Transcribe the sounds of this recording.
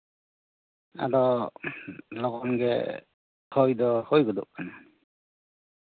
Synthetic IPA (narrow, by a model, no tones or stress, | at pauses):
a̰dɔ | lɔɡɔnɡɛ̰ | hʰɔjd̪ɔhojɡɔd̪ɔ̰ʔ̚ana